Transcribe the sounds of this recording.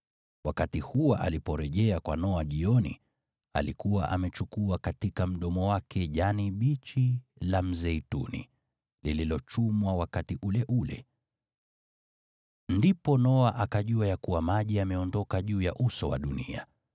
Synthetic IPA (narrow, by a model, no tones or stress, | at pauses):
wakatihuwaʔa̰lipɔɾɛʄɛakwa̰nɔaʄiɔnḭ | a̰likuwa̰ʔamɛt͡ʃukuakatikam̩ɗɔmɔwakʰɛʄaniɓit͡ʃilam̩zɛitṵnḭ | lililɔt͡ʃumwawakatiʔulɛʔulɛ̰ | ndipɔnɔaʔakaʄuajakuwamaʄiamɛɔndɔkaʄuːjaʔusɔwa̰ɗunḭa